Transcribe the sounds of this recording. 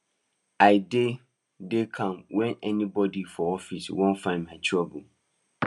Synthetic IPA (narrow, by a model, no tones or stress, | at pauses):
aɪde | dekʰãmwɛ̃nɛnĩbɔdifɔɔfiswõnfãɪ̃nmãtʰɹabə